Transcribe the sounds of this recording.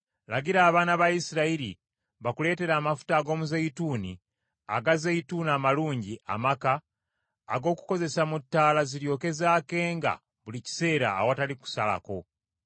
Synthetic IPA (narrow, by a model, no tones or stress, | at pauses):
laɡiɾaːβaːnaβaisiɾaiɾḭ | βakule̞ːte̞ɾaːmafu̥taːɡo̞ːmuzeituːni | a̰ɡazeituːnamaluːɲɟiʔa̰makaː | ɡo̞ːku̥ko̞ze̞samutːaːlaziɾjo̞ke̞zaːke̞ːŋɡa̰ | βulici̥se̞ːɾa̰ːwataliku̥sala̰ko̞